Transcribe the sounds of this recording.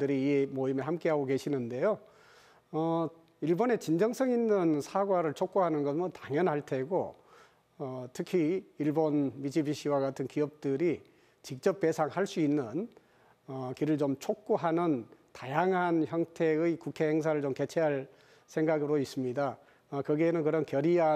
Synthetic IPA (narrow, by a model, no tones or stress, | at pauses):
dɯɾimoimehamk͈e̞ɦaɡoɡe̞ɕʰinɯnde̞jo | ʌ | iɭbone̞t͡ɕind͡ʑʌŋs͈ʰʌŋinːɯnsʰaɡwaɾɯɭt͡ɕʰok̚k͈uɦanɯnɡʌmɯntaŋjʌnɦaɭtʰe̞ɡo | ʌtʰɯkʰiːɭbonmid͡ʑibiɕ͈ʰiwaɡatʰɯnkiʌp̚t͈ɯɾi | t͡ɕik̚t͡ɕ͈ʌp̚p͈e̞sʰaŋhaɭs͈uinːɯn | ʌkiɾɯɭt͡ɕomt͡ɕʰok̚k͈uɦanɯntajaŋɦançjʌŋtʰe̞ɯkukʰe̞heŋs̬ʰaɾɯɭt͡ɕomke̞t͡ɕʰeɦaɭ | sʰeŋɡaɡɯɾois͈ɯmɲida | ʌkɯɡeeːnɯnkɯɾʌnkjʌɾia